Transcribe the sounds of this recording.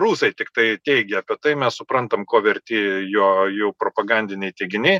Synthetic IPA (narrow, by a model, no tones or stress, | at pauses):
ruːsɐɪt̪ʲɪkt̪ɐɪt̪ʲɛɪɡʲɛɐpʲiɛt̪ɐɪmʲɛssʊpɾɐnt̪ɐmkoːʋʲɛɾʲt̪ʲijuɔjuːpɾoːpɐɡɐnʲd̪ʲɪnʲɛɪt̪ʲɛɪɡʲɪnʲe